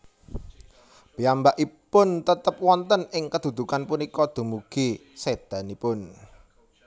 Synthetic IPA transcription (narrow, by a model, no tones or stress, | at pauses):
b̥iambaʔipʊnt̪ət̪əp̚wɔnt̪ənɪŋkəd̪̥ṳd̪̥ṳkanpunikɔd̪̥o̤muɡ̥ised̪̥a̤nipʊn